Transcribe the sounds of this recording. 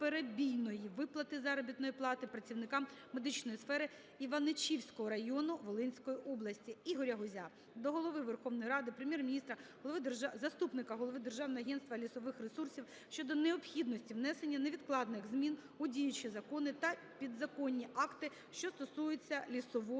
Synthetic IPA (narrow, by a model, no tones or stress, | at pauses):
peɾebʲijnɔjiʋɪplˠɐt̪ɪzɐɾɔbʲit̪nɔjiplˠɑt̪ɪpɾɐt͡sʲiwnɪkɑmme̞d̪ɪt͡ʃnɔjisfɛɾɪ | iʋɐnet͡ʃʲiwsʲkɔɦɔɾɐjɔnʊʋɔlˠɪnʲsʲkɔjiʔɔblˠɐsʲtʲiiɦɔɾʲɐɦʊzʲa | d̪ɔɦɔlˠɔʋɪʋerxɔʋnɔjɾɑd̪ɪpɾemʲjɛrmʲnʲist̪ɾɐɦɔlˠɔʋɪzɐst̪upnɪkɐɦɔlˠɔʋɪd̪e̞rʒɑwnɔɦɔɐɦɛnst̪ʋɐlʲisɔʋɪxresursʲiw | ʃt͡ʃɔd̪ɔneɔpxʲid̪nɔsʲtʲiwnɛse̞nʲːɐneʋʲid̪klˠɑd̪nɪɣzmʲin | ʊdʲijʊt͡ʃɪzɐkɔnɪt̪ɐ | pʲid̪zɐkɔnʲːiʔɑkt̪ɪ | ʃt͡ʃɔst̪ɔsujʊt͡sʲːɐlʲisɔʋɔ